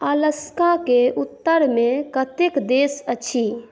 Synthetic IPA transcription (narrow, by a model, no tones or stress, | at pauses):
ələskãkeut̪ːəɾmẽkət̪ekd̪eːsət͡ʃʰi